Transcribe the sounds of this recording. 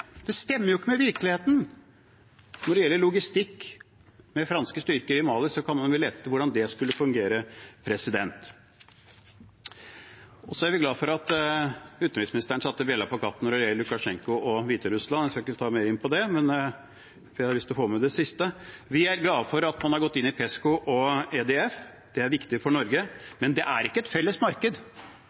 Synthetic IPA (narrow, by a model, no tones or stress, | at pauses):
d̪̥ɛst̪ɛmːəɾjʊɪkːəmɛʋɪɾklɪheːt̪n̩ | nɔɖɛjɛlːəɭʊɡɪst̪ɪkː | mɛfɾɑnskəst̪ʏɾkəɾɪmɑːlɪsɔkʰɑnmɑnʊleːt̪ə̥t̪ʰɪʋʊɖɑnd̪ɛskʉlːəfʉŋɡeːɾəpʰɾɛsɪd̪ɛnt̪ | ɔsɔæɾʋɪɡlɑːfɔɾɑt̪ | ʉːt̪əɾɪsmɪnɪst̪əɳəsɑt̪ːəbɛlːɑpɔkʰɑt̪ːn̩ɔɾɔɾɛːləlʉkɑʂɛŋkʊɔʋiːt̪əɾʉslɑnæskɑɪkːət̪ʰɑːmeːɾɪnpʰɔd̪ɛmɛn | ɪæhɑɾlʏst̪ɔfoːmɛd̪ɛsɪst̪əʋɪæɾɡlɑːfɔɾɑt̪mɑnhɑɾɡɔt̪ːɪnːɪpʰɛskʊʔɔed̪ɛɛf | d̪̥ɛæɾʋɪkt̪ɪfɔɳɔɾɡəmɛnd̪ɛʔæɾɪkːəɛt̪fɛlːəsmɑɾkəd̪